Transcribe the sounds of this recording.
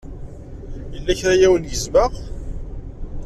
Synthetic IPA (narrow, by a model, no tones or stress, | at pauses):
jəlːæçɾajæwənjəzməʁ